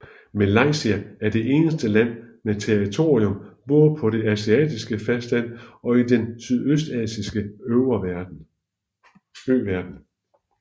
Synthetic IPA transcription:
mælɑ̈ɪ̰siææɐd̥e̝ʔe̝ːnəsd̥əlæn̰met͡sʰeʁit͡sʰo̝̰ːʁiɔ̽mb̥ɔ̽ːð̩ˠpʰɒ̽ɾe̝æsiɛ̰ːd̥isɡ̥əfæsd̥æn̰ɒ̽id̥ensyðˠøsd̥ɛ̰ːsisɡ̥əøʊɐ̥ | øːʋæɐd̥n̩

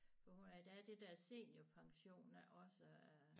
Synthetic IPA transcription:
fɒ̽hunæɐid̥æd̥ed̥æɐse̝̰ːnjopʰɑ̈ŋɕo̝̰ːnæʔɒ̽sə

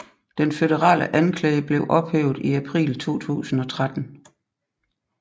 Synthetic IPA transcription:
d̥enfeð̥əʁɑ̰̈ːlʔəʔænkʰlɛːɪəb̥le̝ʊʔɒ̽b̥heːʊð̩ˠiæpʰʁḭːlt͡sʰo̝̰ːt͡sʰṵːsn̩ɒ̽t͡sʰʁad̥n̩

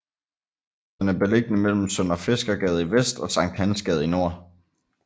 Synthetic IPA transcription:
d̥enæɐb̥e̝leɡ̥ənəmel̰m̩sɔn̰ɐfe̝sɡ̥ɐɡ̥ɛːð̞̩ˠiʋesd̥ɒ̽sɑ̈ŋ̰d̥hænsɡ̥ɛð̩ˠino̝ɐ̰

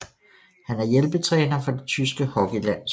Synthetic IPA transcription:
hænæɐjelb̥ət͡sʰʁɛːnɐfɒ̽d̥e̝t͡sʰysɡ̥əhɒ̽ɡ̥ilæn̰s

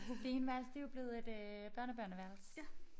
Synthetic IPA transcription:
hobenʋæɐ̰lsd̥e̝job̥le̝ð̞̩ˠe̝d̥øb̥ɶɐnəb̥ɶɐnəʋæɐls

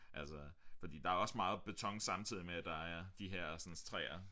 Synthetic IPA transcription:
ʔælsɒfɒ̽d̥ḭːd̥ɑ̈æɒ̽smɑ̈ːð̞̩ˠb̥e̝t͡sʰɒ̽ŋ̰sɑ̈mt͡sʰið̰ˠimed̥ɑ̈æɐd̥iɦeɐ̰sɒ̽nst͡sʰʁɛ̰ːɐ

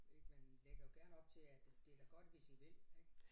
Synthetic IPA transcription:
eɡ̥menleɡ̥ɐjo̝ɡ̥æɐnɒ̽b̥̚t͡sʰe̝æd̥d̥e̝æɡ̥ɒ̽d̥ʋe̝siʋe̝leɡ̥

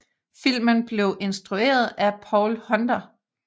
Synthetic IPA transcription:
fil̰mənb̥le̝ʊʔe̝nsd̥ʁue̝̰ːɐð̞ˠæpʰɒʊlhɒ̽nd̥ɐ

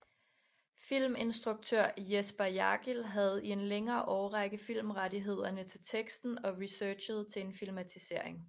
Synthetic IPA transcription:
fil̰me̝nsd̥ʁuɡ̥̚t͡sʰøɐ̰jesb̥ɐjɑ̈ɡ̥ilɦæð̞̩ˠie̝nleŋɐːʔɒːʊʁaɡ̥əðˠfil̰mʁadiɦe̝ð̞̰ˠɐnət͡sʰe̝lt͡sʰeɡ̥sd̥n̩ɒ̽ʁisøːɕəð̞̩ˠt͡sʰe̝enfilmæt͡sʰise̝ɐ̰e̝ŋ

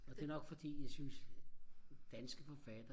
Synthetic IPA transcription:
ɒ̽d̥e̝ɐnɒ̽ɡ̥fɒ̽d̥ḭːjɑ̈ɪsyns | d̥ænsɡ̥əfɒfæd̥ɐ

